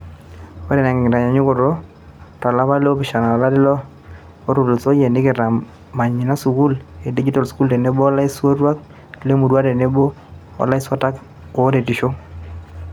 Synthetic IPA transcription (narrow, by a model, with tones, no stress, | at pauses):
o˦de˨nɛ˨ŋ˨ɪ˨ɾa˨ɲa˨ɲʊ˦ko˦˨ɾo˦ | ta˨la˦βa˦le˦o˦pɪ˨ʃa˨na˨ɔ˨la˦dɪ˦lɔ˦ | o˦ɾo˨lo˨so˦je˨nɪ˦kɪ˨ɾa˨ | ma˨ɲɪ˨na˦su˨ku˦le˨di˦d͡ʒi˦tɔ˨lsku˦lde˨ne˦bo˦ɔ˦la˦ɪ˦swo˦ɾwa˦k̚ | le˦mu˨dwa˦de˨ne˦bo˦ | ɔ̰˨la˦ɪ˦swa˦ta˦k | o˨˦de˨tɪ˨ʃo˦